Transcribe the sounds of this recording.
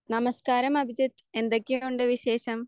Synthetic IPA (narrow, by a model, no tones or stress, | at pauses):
nɐmɐskaːɾɐmɐbʱid͡ʑit̪ | e̞nd̪ekːiuɳɖɨʋiɕeːɕɐm